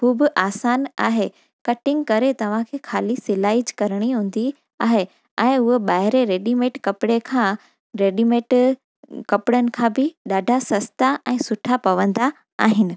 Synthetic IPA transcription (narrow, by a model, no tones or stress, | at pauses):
kʰuːbʊʔaːsaːna̰ːɦe | kɐʈɪ̃ŋɡkɐɾet̪ɐʋ̤ãkʰeːxʰaːlisɪlaːɪd͡ʑkɐɾɽ̃iɦũːn̆d̪i | aːɦe | ɛ̃ːʊɦeɓaːɦɪɾeɾeːɗimẽːʈkɐpɪɽekʰãː | ɾeːɖimẽːʈ | kɐpɪɽənɪ̆kʰãːbɪɗaːɖʱasɐst̪aʔɛ̃ːsʊʈʰapɐʋə̃nd̪a | aːɦɪnɪ̆